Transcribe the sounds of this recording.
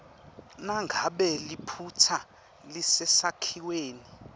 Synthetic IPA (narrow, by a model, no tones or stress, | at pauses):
naŋɡʱaɓɛlipʰutʰa | lisɛsakʰiweːni